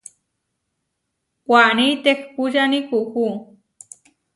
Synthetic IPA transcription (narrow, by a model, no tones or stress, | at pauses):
kʷanit̪ekpuʒanikuxu